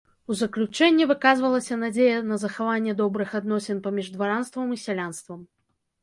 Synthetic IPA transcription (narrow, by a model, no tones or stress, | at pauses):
uzɐklʲut͡ʂɛnʲːɛvɨkazvɐlˠɐsʲɐnad͡zʲejɐnɐzɐxavanʲːɛd̪ɔbɾɨxad̪nɔsʲɛnpamʲiʐd̪vaɾanst̪vɐmisʲalʲanst̪vɐm